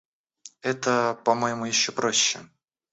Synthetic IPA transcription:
ɛt̪əpɐmojɪmujɪɕːopɾoɕːɪ

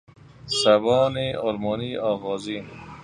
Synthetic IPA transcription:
saβɔːneɔlmɔːniɔːɣɔːziːn

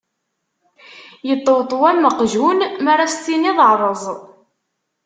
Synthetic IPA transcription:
jət̪ˤːowt̪ˤːwælməqʒunmərːafst̪ːiniðˤəʕɾˤəzˤ

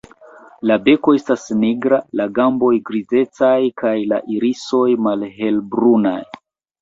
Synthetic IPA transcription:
labe̞ko̞e̞stasniɡɾalaɡambo̞jɡɾize̞t͡sajkajla̰ʔiɾiso̞jmalɦe̞lbɾuna̰j

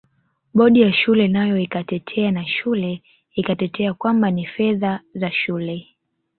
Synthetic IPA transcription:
ɓɔɗijaʃulɛnajɔikatɛtʰɛanaʃulɛ | ikatɛtɛakwambanifɛðazaʃulɛ

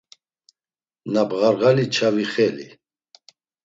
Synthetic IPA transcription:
nabɣaɾɣalit͡ʃʰaviχɛlḭ

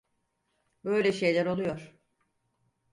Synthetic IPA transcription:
bø̞jlʲɛʃe̞jlʲæɾo̞lˠujo̞ɾ̥

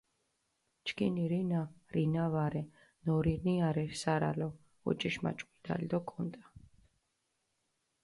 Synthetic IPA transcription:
t͡ʃkʰʼiniɾinaɾinavaɾɛ | nɔɾiniaɾɛsaɾa̰lɔ | ɔ̰t͡ʃʼiʃma̰t͡ʃʼqʼwid̪a̰lʲd̪ɔkʼɔnt̪ʼa

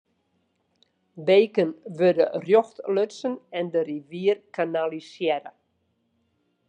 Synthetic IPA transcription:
bejkənʋødə̰rjoxtløtsənɛndəriʋiərkʰanalisjɛɾə̰

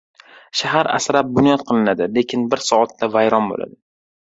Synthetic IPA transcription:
ʃaɦaɾa̰sɾap̚bʊnjɒt̪qʰɨlˠɪnad̪ɪle̞kʲʰɪnbɪɾsɒat̪ːavajɾɒnbo̰la̰d̪ɪ

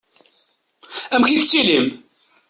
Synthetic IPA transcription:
æmçiθt͡sːilim

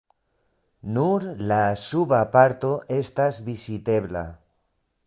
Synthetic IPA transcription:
nuɾlasuβapaɾt̪o̞ʔest̪azβisit̪e̞βla̰

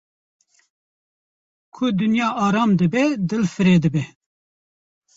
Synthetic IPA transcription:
kʰʊd̪ɨnjɑːʔɑːɾɑːmd̪ɨbɛd̪ɨlfɨɾeːd̪ɨbɛ

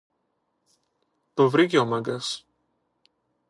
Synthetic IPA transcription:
t̪ovɾic̬eomɐŋɡɐs

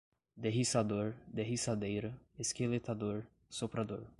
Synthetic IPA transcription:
d̪eɦisad̪oɾd̪eɦisad̪ejɾɐeskelet̪ad̪oɾ | sopɾad̪oɾ

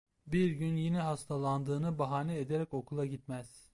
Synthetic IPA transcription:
biɾɟynjinɛɦast̪ʰalˠand̪ɯːnɯbaɦaːnɛed̪eɾɛco̞kʰulˠaɟit̪mæz̥

